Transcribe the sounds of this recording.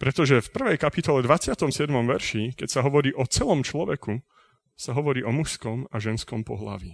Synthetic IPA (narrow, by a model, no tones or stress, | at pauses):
pɾɛt̪ɔʒɛfpr̩ʋɛjkapit̪ɔlɛd̪ʋat͡sɪat̪ɔmsɪɛd̪mɔmʋɛɾʃikɛcsaɦɔʋɔɾiːʔɔt͡sɛlɔmt͡ʃlɔʋɛku | saɦɔʋɔɾiːʔɔmuʃskɔmaʒɛnskɔmpɔ̰ɦla̰ʋi